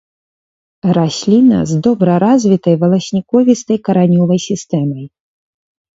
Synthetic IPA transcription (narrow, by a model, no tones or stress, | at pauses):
ɾasʲlʲinɐ̰zd̪ɔbɾɐɾazʲvʲit̪ɐjvɐlˠɐsʲnʲikɔvʲist̪ɐjkɐɾanʲɔvɐjsʲist̪ɛmɐj